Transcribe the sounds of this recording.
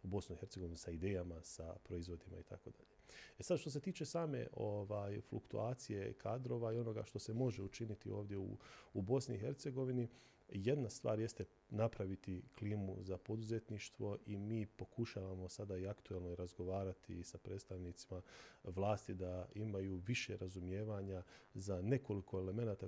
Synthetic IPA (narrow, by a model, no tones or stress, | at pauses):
ubo̞snuihe̞ɾt̪eɡo̞ʋinusaid̪eːjamasapɾo̞izʋo̞d̪ima̰it̪ʰa̰ko̞d̪aʎeesad̪ʃt̪o̞s̬e̞t̪iːt͡ʃe̞saːme̞̰ʔoʋaːjflṵkt̪uaːt̪sije̞kʰaːd̪ɾo̞ːʋaio̞no̞ɡa̰ʃt̪o̞se̞mo̞ʒe̞ut͡ʃinit̪io̞ːʋd̪je̞ṵubo̞sniixe̞ɾt̪se̞ɡo̞ʋini | je̞d̪nast̪ʋa̰ːɾje̞st̪e̞ | napɾaʋit̪ikliːmuzapo̞d̪uze̞t̪niʃt̪ʋo̞ʔimiːpo̞kuʃaːʋamo̞sad̪aiakt̪ue̞lnoiɾazɡo̞ʋaːɾat̪ʰḭsapɾeːst̪aʋnit̪simaʋlˠaːst̪id̪aimajuːʋiʃe̞ɾazumje̞ːʋaːɲazane̞ko̞likʰo̞ele̞me̞naːt̪a